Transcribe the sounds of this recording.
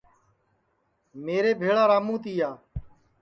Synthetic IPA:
meːɾeːbʱeːɭaːɾaːmũːt̪iːjaː

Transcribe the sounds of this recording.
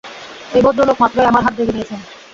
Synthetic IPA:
ebod̪ɾolokmat̪ːɾoeamaɾɦat̪̚d̪ekʰed̪iet͡ɕʰen

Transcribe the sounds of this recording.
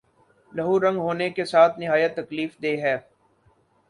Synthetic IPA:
lɐɦuɾɐ̃ŋɡɦoːnekesaːt̪ʰnɪɦaːjət̪ːɐkliːfd̪eːɦɛː

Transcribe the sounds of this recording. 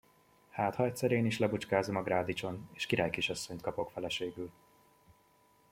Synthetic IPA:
haːt̪hɒɛt̪sɛɾeːniʃlɛbut͡ʃkaːzomɒɡraːd̪it͡ʃo̞neːʃkiɾaːjkiʃɒsːo̞ɲt̪kɒpo̞kfɛlɛʃeːɡyl

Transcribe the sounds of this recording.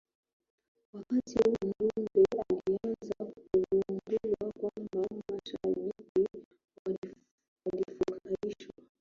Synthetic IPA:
wakatihum̩ɾundɛalianzakuvunbiwakwambammbaʃaviki | walifukaiʃwa

